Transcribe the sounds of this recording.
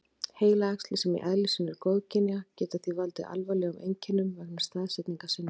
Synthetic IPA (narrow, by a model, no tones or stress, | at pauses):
heːjlaakst̪lɪsɛmḭʔɛðlisɪnɪɾkowðcʰɪnjacɛːt̪aθivalt̪ɪʔa̰lvajlɛumʔejɲcɪnːʏmvɛk̚nḁst̪aːðsɛt̪niŋkasɪnː